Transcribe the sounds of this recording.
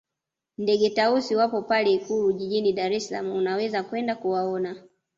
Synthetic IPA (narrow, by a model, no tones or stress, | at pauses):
ndɛɡɛtausiwapɔpalɛikuluʄiʄiniɗaɾɛsla̰muunawɛzakwɛndakuwaɔna